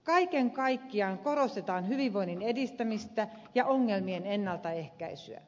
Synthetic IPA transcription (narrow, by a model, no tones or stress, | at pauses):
kɑikeŋkɑikːiɑŋkorost̪et̪ɑːnhyʋiʋʋoinːinedist̪æmist̪æjɑʔoŋːelmienenːɑlt̪ɑehkæisy̰æ̰